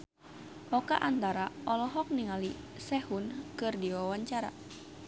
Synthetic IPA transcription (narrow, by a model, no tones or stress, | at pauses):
ʔɔkaʔant̪aɾaʔɔlɔɦɔk̚niŋalisɛhunkɨrdiwawaɲt͡ʃaɾa̰